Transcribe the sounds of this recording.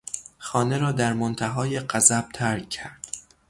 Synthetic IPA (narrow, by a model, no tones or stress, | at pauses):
xɒːne̞ɾɒːd̪æɾmont̪ʰæɦɒːje̞ɢæzæb̥̚t̪ʰæɾk̚ʰːæɾd̪̥